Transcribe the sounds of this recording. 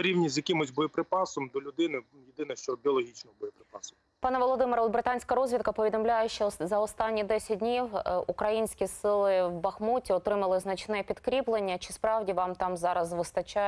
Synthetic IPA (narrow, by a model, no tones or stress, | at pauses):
ɐɾʲiwnʲizʲjɐkʲɪmʊsʲbɔjipɾɪpɑsɔmd̪ɔlʲʊd̪ɪnɪ | jɪd̪ɪnɛʃt͡ʃɔbʲiɔlˠɔɦʲit͡ʃnɔɦɔbɔjɔpɾɪpɑsɔ | pɑnɐʋɔlˠɔd̪ɪmɨɾɐɔd̪bɾɪt̪ɑnʲsʲkɐɾɔzʲʋʲit̪̚kɐpɔʋʲid̪ɔmlʲajɛʃɔzɐɔst̪ɑnʲːid̪ɛsʲɐt̚ʲdʲnʲiwukɾɐjinʲsʲkʲisɪlˠɪwbɐxmutʲiɔt̪ɾɪmɐlˠɪznɐt͡ʃnɛpʲid̪kɾʲiplˠenʲːɐt͡ʃɪspɾɑwdʲiʋɑmt̪ɑmzɑɾɐzʋɨst̪ɐt͡ʃa